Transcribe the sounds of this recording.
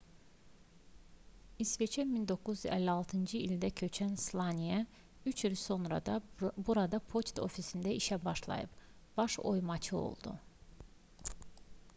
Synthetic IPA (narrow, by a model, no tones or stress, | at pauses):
isvet͡ʃʰɛmind̪o̞kːuzæ̰lːiɑlˠt̪ʰɯnd͡ʒɯilʲd̪æcʰø̞t͡ʃʰænslˠɑnʲijæ | yt͡ʃʰilso̞nɾɑ̰d̪ɑbuɾɑd̪ɑpʰo̞t͡ʃt̪ʰo̞̰fisind̪æiʃæbɑʃlˠɑ̰jɯ̰b | b̥ɑʃo̞jmɑt͡ʃʰɯo̞̰lˠd̪ṵ